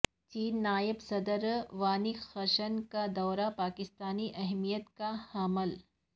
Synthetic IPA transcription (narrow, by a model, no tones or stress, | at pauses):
t͡ʃiːnːaːjɪbsɐd̪əɾʋaːnixɐʃənkad̪ɔːɾapaːkɪst̪aːniʔɐɦmijət̪kahaːməl